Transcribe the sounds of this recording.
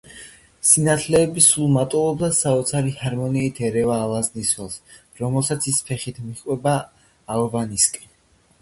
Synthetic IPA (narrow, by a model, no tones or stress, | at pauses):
sinat̪ʰlɛːbisulˠmat̪ʼɔlˠɔbd̪asaɔt̪sʰaɾihaɾmɔniːt̪ʰɛɾɛvaːlˠazniswɛlˠs | ɾɔmɛlˠsat̪sʰispʰɛχit̪ʰmiχʼwɛbaː | lˠvaniskʼɛ